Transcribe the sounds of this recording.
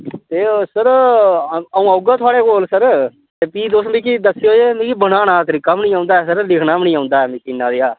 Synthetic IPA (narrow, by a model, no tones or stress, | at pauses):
t̪eːsəɾ | əũːəʊɡaːt̪ʰʊaːɽeːkoːlsəɾ | t̪eːpiːd̪osmĩːkid̪əsːeɦoːd͡ʒeːmĩːkibənaːnaːt̪əɾɪkːaːmnĩːãːʊnd̪aːɛːsəɾlɪkʰnaːbnĩːãːʊ̃nd̪aːɛːmĩːkɪnːaːd̪eːaː